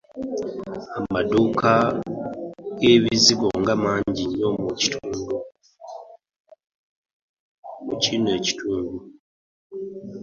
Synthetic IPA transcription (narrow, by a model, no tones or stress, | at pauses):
amaduka | ɡe̞βiziɡo̞ŋɡamaːɲɟiɲo̞muci̥tʰuːndu | mucineci̥tʰuːndu